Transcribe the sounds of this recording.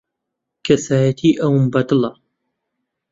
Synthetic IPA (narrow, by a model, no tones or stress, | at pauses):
kʰɐsaːjɐt̪ʰiːʔɐwmbɐt̪ɨlɑ